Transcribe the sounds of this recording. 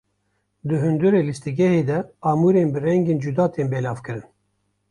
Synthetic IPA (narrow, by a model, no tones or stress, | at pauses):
d̪ɨɦɨnd̪uɾeːlist̪ɨɡɛheːd̪ɛɑːmuːɾeːnbɨɾɛŋɡeːnd͡ʒud̪ɑːt̪eːnbeːlɑːvkɨɾɨn